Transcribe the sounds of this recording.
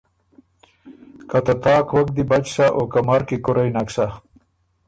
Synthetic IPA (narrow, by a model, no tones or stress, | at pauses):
kat̪at̪ɑːkwɐk̚d̪ibat͡ʃsaʔokamaɾkikʊɾajnaksa